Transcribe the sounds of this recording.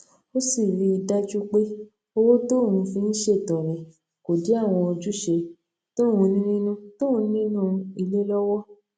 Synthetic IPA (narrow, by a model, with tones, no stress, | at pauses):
o˦si˦˨ɾi˧i˧da˦d͡ʒu˦k͡pe˦ | o˧wo˦to˦˨hũ˧fĩ˧n̩˦ʃe˦˨tɔ̃˨ɾĩ˨ | ko˨di˨˦a˦˨w̃ɔ̃˧o˧d͡ʒu˦ʃe˧ | to˦˨wũ˧nĩ˦nĩ˦nũ˦to˦ũ˧nĩ˦nũ˦˧i˧le˦lɔ˦wɔ˦